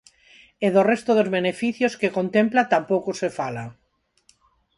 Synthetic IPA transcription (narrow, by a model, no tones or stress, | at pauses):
eðorest̪oðozβenefiθjoskekont̪emplat̪ampowkosefala